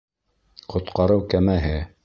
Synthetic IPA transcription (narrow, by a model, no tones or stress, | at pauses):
qʰŏt̪qɑɾɤwkæmæɦɘ